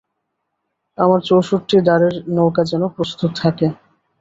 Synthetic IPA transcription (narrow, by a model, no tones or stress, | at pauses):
amaɾt͡ɕowʃoʈːid̪aɾeɾnowkad͡ʑɛnopɾost̪ut̪t̪ʰake